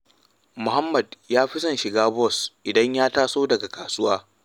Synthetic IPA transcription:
mʊ˨ha˦mːɐ˨djaː˦ɸɪ˦sɐ˦˨nʃɪ˨ɡaː˦bɔ˦˨sʔɪ˨dɐ˦ɲjaː˦taː˦soː˦dɐ˨ɡa˨kaː˨sʊ˦waː˦

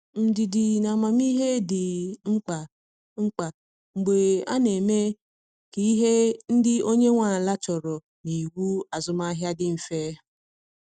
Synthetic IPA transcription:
m̩˨dɪ˨dɪ˨na˨ma˨m˦i˦ɦe˦dɪ˨ŋ͡m̩˦k͡pa˨ | ŋ͡m̩˦k͡pa˨ | ŋ͡m̩˨ɡ͡be˨a̰˦ne˨me˦ | ke˨˦i˦ɦe˦n̩˦dɪ˦o˦ɲe˦ŋʷa˨n̩˨la˦t͡ʃɔ˨ɾɔ˨ | ni˨wu˦a˨zʊ˨ma˦ɦja˦dɪ˦m̩˨feː˦

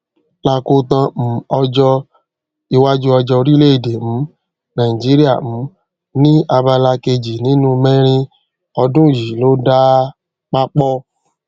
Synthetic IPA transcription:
la˧ko˧tã˧m̩˨ɔ˧d͡ʒɔ˧ | i˧wa˦d͡ʒu˦ɔ˧d͡ʒɔ˧ɾi˦le˦i˦˨de˨m̩˨˦ | nã˨ĩ˨d͡ʒi˨˦ɾi˦a̰˦˨m̩˨˦ | nĩ˦a˧ba˧la˧ke˧d͡ʒi˨nĩ˨˦nũ˦˧mɛ̃˦ɾ̃ĩ˧ | ɔ˧dũ˦˨ji˨lo˦da˦ | k͡pa˦k͡pɔ˦

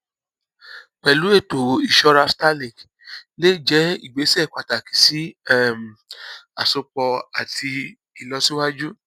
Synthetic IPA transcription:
k͡pɛ˨lu˨˦e˦˨to˨i˨ʃɔ˧ɾa˧sta˦li˨k | le˦˨d͡ʒɛ˨˦ḭ˦˨ɡ͡be˨˦sɛ˦˨k͡pa˨ta˨ki̥˨si˨˦ɛ˦˨m˨a̰˨so˧k͡pɔ˧a˨ti˧ | i˨lɔ˧˦si˦wa˦d͡ʒu˦

